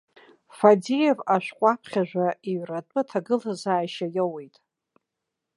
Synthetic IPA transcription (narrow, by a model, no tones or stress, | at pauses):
fadijevaʃʷᶣqʷʼapʰχʲaʒᶣʷaʔiɥratʼɨtʰaɡɨlazaːjʃajawejtʼ